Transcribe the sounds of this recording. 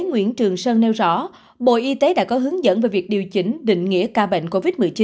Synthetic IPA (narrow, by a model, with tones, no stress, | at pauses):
ŋwḭ˧˥ənt͡ɕɨ˨˩əŋsəː˧nnɛ˧wzɔ̰˧˥ | ɓo̰˧˨ʔi˧t̪e˨˦ɗa̰ː˧˥kɔ˨˦ɦɨ˨˦əŋzə̰˧˥nve˨˩jvi˨˩ək̚ɗi˨˩əwt͡ɕï˨˦ŋ̟ɗḭ̈˧˨ŋ̟ŋḭ˧˥əkaː˧ɓḛ˧˨ŋ̟ko˧vi˦˥t̚mɨ˨˩jt͡ɕi˨˦